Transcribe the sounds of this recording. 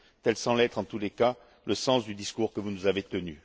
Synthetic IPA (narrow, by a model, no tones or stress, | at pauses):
t̪ɛlsɑ̃lɛt̪χɑ̃t̪uleka | ləsɑ̃sd̪yd̪iskuʁkəvunuzavet̪əny